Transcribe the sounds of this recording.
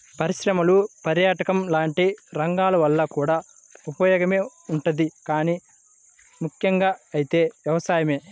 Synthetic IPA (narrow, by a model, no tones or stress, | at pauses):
pɐɾiʃɾɐmɐlupɐɾjaːʈɐkɐmlaːɳʈiɾɐŋɡaːlɐʋɐlːɐkuːɽaː | upɐjɔːɡɐme̞ː | uɳʈud̪ikaːniː | mukʰjɐŋɡaːɐjit̪e̞ːʋjɐʋɐsaːjɐme̞ː